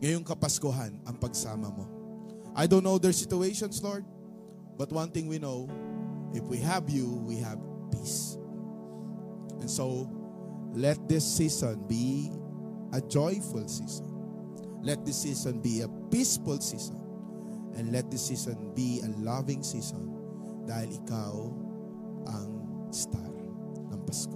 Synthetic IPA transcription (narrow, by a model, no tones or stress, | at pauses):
ŋɐjoŋkɐpɐskʊɦanɐŋpɐɡsaːmɐmo | ʔajd̪õnːowd̪ɛɹsɪt̪ʊejʃɔ̃nslɔɹd̪̚ | bɐt̪̚wɐ̃nt̪θɪ̃ŋwinowʔɪfwiɦɐvjuwiɦɐvpis | ʔɛ̃nso | lɛt̪̚d̪ɪsːisɔ̃nbi | ʔɐd͡ʒɔjfʊlsisɔ̰̃n | lɛt̪̚d̪ɪsːisɔ̃nbiɐpisfʊlsisɔ̰̃n | ʔɛ̃nd̪lɛt̪̚d̪ɪsːisɔ̃nbiɐlavɪ̃ŋsisɔ̰̃n | d̪ahɪlɪkaw | ʔɐŋ | st̪a̰t | nɐŋpɐsk